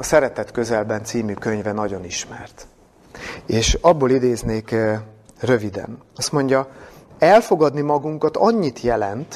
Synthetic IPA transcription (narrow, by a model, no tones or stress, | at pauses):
ɒsɛɾɛt̪ɛt̪kø̞zɛlbɛnt̪siːmyːkø̞ɲvɛnɒɟo̞niʃmɛrt̪ | eːʃɒbːoːlid̪eːzneːk | rø̞vid̪ɛ̰nɒst̪mo̞ɲɟɒɛlfo̞ɡɒd̪nimɒɡuŋkɒt̪ɒɲːit̪jɛlɛnt̪